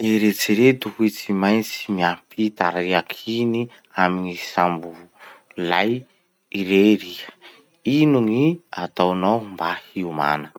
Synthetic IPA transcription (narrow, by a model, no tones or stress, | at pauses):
eɾet͡siɾet̪uhit͡simajnt͡simiapit̪aɾaiakʰini | aminisambulaj | iɾeɾiə̥ | inuŋiat̪awnawmbahiuma̰nə